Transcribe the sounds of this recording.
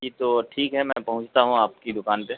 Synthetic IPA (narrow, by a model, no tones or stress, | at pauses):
d͡ʒit̪oʈʰiːkɦɛmɛ̃ːpɐɦʊ̃ɲt͡ʃt̪aɦũaːp̚kid̪ʊkaːnpe